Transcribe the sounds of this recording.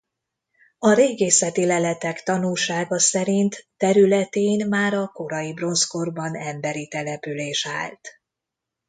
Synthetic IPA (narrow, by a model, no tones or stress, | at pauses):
ɒɾeːɡeːsɛt̪ilɛlɛt̪ɛkt̪ɒnulʃaːɡɒsɛɾint̪ːɛɾylɛt̪eːnmaːɾɒko̞ɾɒjibro̞nsko̞rbɒnɛmbɛɾit̪ɛlɛpyleːʃa̰ːlt̪